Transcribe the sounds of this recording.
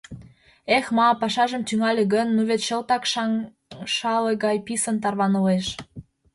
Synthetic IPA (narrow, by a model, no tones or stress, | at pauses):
exmɑpɑʃɑʒə̆mt̪yŋɑlʲeɣənːuβet̪ʃə̆lt̪ɑkʃ | ʃɑleɣɑjpisə̆nt̪̬ɑrβɑnə̆leʃ